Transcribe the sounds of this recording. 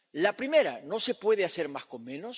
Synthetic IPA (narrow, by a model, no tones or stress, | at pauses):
lapɾime̞ɾa̰no̞se̞pwe̞ð̞ease̞ɾmasko̞mmẽ̞nos